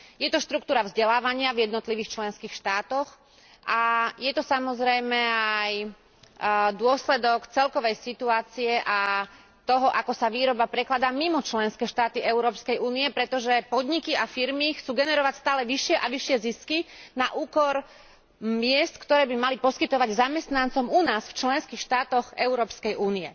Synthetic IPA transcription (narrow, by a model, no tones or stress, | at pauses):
jɛt̪ɔʃt̪ɾuk̚t̪uːɾavzɟɛlaːʋaɲɪavjɛd̪nɔt̪liʋiːxt͡ʃlɛnskiːxʃt̪aːt̪ɔx | ʔajɛt̪ɔsamɔzɾɛjmɛaaj | d̪ʊɔslɛd̪ɔkt͡sɛlkɔʋɛjsit̪uaːt͡siɛʔa | t̪ɔɦɔʔakɔsaʋiːɾɔbapɾɛklad̪aːmimɔt͡ʃlɛnskɛːʃt̪aːt̪iʔɛʊɾɔːpskɛjʔuːniɛpɾɛt̪ɔʒɛpɔd̪ɲikiafiɾmixt͡suːɡɛnɛɾɔʋacst̪aːlɛʋiʃɪɛʔaʋiʃɪɛziskinaʔuːkɔɾ | mɪɛst̪kt̪ɔɾɛːbimalipɔskit̪ɔʋaɟzamɛst̪nant͡sɔmunaːsft͡ʃlɛnskixʃt̪aːt̪ɔɣɛʊɾɔːpskɛjʔuːniɛ